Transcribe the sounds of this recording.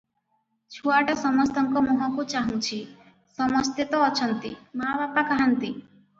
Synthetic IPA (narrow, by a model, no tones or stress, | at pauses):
t͡ʃʰuaʈɔsɔmɔst̪ɔŋkɔmɔɦɔ̃kut͡ʃaɦũt͡ʃʰi | sɔmɔst̪et̪ɔːt͡ʃʰɔnt̪imabapakaɦant̪i